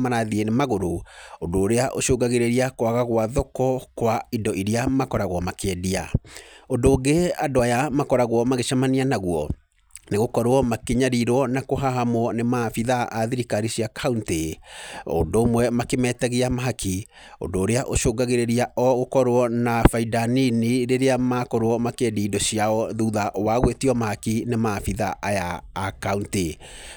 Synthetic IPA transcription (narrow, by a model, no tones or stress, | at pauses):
manaðienemaɣoɾoondoːɾeaʔoʃoːɡaɣeɾeɾiakwaɣaɣwaðɔkɔkwaidɔʔiɾiamakɔɾaɣwɔmakeɛdia̰ondoːɡeadoajamakɔɾaɣwɔmaɣeʃamanianaɣwɔ | neɣokɔɾwɔmakeɲaɾiɾwɔnakoɦaɦamɔnemafiðaʔaðiɾikaɾiɕiakʰaunte | o̰ndoːmwɛmakemɛːtaɣeamaɦakʰi | o̰ndoːɾeaʔoʃoːɡaɣeɾeɾiaʔɔɣokɔɾwɔnafaidaniniɾeɾeamaːkɔɾwɔmakediːdɔɕiaɔðuðaʔwaɣwetiɔmahakinemafiðaʔajaːkaunte